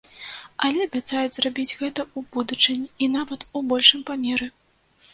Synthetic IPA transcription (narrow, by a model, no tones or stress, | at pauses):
ɐlʲɛɐbʲat̪sajud͡zʲzrabʲid͡zʲɣɛt̪ɐubud̪ut͡ʂɨnʲiinavɐt̪ubɔlʲʂɨmpamʲɛɾɨ